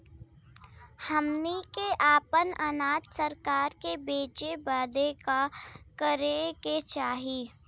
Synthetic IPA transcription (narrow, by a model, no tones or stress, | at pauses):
hɐmnikeʔaːpənɐnaːt̪sɐɾkaːɾkebeːt͡ʃebəːd̪ekakəɾeket͡ʃaːɦiː